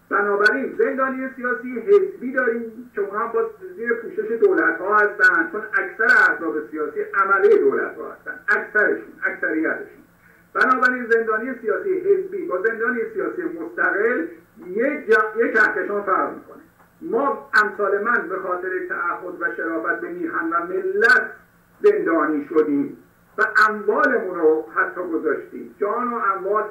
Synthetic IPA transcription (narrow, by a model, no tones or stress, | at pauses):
b̥ænɒːbæɾiːnze̞nd̪ɒːnije̞sijɒːsiːjeɦezbiːd̪ɒːɾiːmcʰe̞unhɒmbɒːziːɾepʰuːʃe̞ʃe̞d̪oːlæt̪hɒːhæst̪ænd̪̥̚t͡ʃʰonækʰsæɾeæɾt̪ɾɒːbesijɒːsiːʔæmælijed̪oːlæ̰t̪hɒ̰ːhæ̰st̪æ̰nd̪̥ʔækʰsæɾe̞ʃunæksæɾijæt̪ʰe̥ʃun | b̥ænɒːbæɾiːnze̞nd̪ɒːnijesijɒːsijeɦe̞zbiːbɒːze̞nd̪ɒːnijesijɒːsijemost̪æɣe̞ljejecʰæskeʃɒːnfæɾʁmḭːkʰo̞ne | mɒːæmsɒːle̞mænbe̞xɒːt̪ʰe̞ɾet̪ʰæʔæhːod̪væʃeɾɒːvæt̪̚be̞niːɦænvæme̞lːæt̪ʰ | ze̞nd̪ɒːniːʃod̪iːm | væʔæmvɒːlemuːnɾohæt̪ʰːɒːɡozɒːʃt̪ḭːmd͡ʒɒːnoæmvɒːl